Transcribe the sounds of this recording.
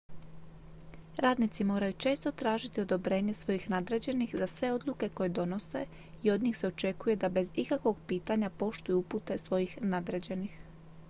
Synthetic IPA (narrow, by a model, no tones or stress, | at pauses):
ɾaːd̪nit̪simo̞ːɾajut͡ʃe̞ːst̪o̞t̪ɾaːʒit̪io̞d̪o̞bɾe̞ːɲe̞sʋo̞jixnad̪ɾed͡ʑe̞nixzasʋe̞o̞d̪luke̞ko̞je̞d̪o̞no̞se̞̰ | io̞d̪ɲiːxse̞o̞t͡ʃe̞kuje̞d̪abe̞zikakʋo̞ɡpiːt̪aɲapo̞ʃt̪ujuuput̪e̞sʋo̞jixnad̪ɾed͡ʑe̞nix